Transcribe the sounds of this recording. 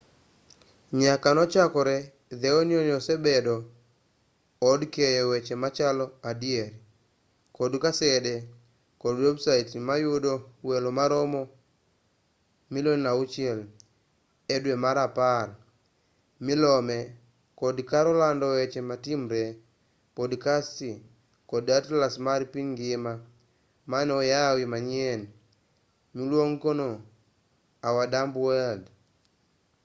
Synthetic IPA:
ɲakanɔt͡ʃakɔɾɛ | ðeonjonɔsɛbɛdɔ | dkejɔwɛt͡ʃemat͡ʃalɔadieɾ | kodkasɛde | kɔdwɛbsaitmajodowɛlomaɾɔmɔ | mɪlonnaut͡ʃɛl | edwemaɾapaɾ | milɔmɛ | kɔdkaɾɔlandɔɛt͡ʃematimɾe | kɔdkasti | kɔdatlasmaɾipiŋɡɪma | manɔjawimaɲɛn | milwoŋkono | awadambwɛd

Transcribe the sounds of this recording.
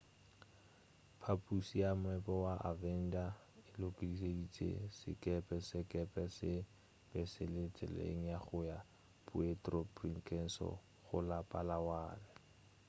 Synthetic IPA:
pʰapʼusijamʊɛpʼɔwaʔavɛn̩da | ɪlokʼidisedit͡sʼḛsɪ̰kʼɛpʼɛsɪkʼɛpʼɛsɪ | b̥ɛsɪlet͡sʼɛ̰lḛŋ̩jaχʊja | pʼʊetʼrɔpriŋ̩kʰʼɛn̩sɔ̰ | χʊlapʼalawaːlɛ

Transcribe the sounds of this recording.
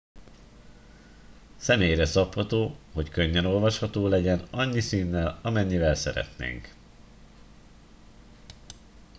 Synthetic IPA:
sɛmeːjrɛsɒphɒt̪oːɦo̞ckø̞ɲːɛno̞lvɒʃhɒt̪oːlɛɟɛnɒɲːisiːnːɛlɒmɛɲːivɛlsɛ̰ɾɛ̰t̪nḛːŋk

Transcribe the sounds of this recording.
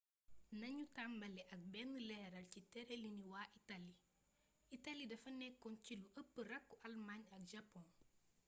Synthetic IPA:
nɐɲutambɐlɛʔɐk̚bɛnːəlɛːɾɐlcitɛɾeliniwaːʔitali | italidɐfɐnɛkːɔnciluʔəpːərɐkːuʔɐlmaɲɐk̚ʒɐpːɔ̃n

